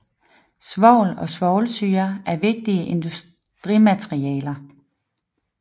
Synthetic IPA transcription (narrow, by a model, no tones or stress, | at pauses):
sʋɒʊ̰lɒ̽sʋɒʊlsyːɐʔæɐʋe̝ɡ̥̚d̥iəʔe̝nd̥us | d̥ʁimæt͡sʰʁiɛ̰ːlɐ